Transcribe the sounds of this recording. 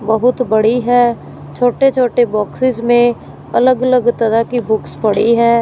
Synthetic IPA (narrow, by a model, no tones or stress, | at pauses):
bəɦʊt̪bɐɽiɦɛː | t͡ʃʰoːʈet͡ʃʰoːʈebɔːksɪzmẽ | ɐləɡələɡt̪ɐɾakibʊkspɐɽ̤iɦɛː